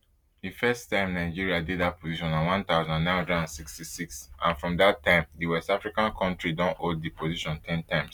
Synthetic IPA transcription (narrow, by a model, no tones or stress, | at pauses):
difɛstãɪ̃mnaɪd͡ʒiɹiadiddat̚pʰoziʃɔ̃nãnwãnt̪aʊzɔ̃nãnːãɪ̃nhɔ̃ndɹɛdãnsikstisiksã̰nfɹɔ̃mdattʰːãɪ̃mdiwɛstafɹikãnkʰɔ̃ntɹidɔ̃noddipoziʃɔ̃ntʰɛ̃ntãɪ̃ms